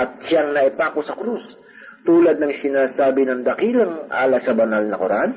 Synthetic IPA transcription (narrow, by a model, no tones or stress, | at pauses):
ʔɐt̪̚sjaŋnɐʔɪpakosɐkɾus | t̪uːlɐd̪̚nɐŋsɪnaːsaːbɪnɐŋd̪ɐkiːlɐŋʔa̰ːlɐsɐbɐnalnɐkoɾʔan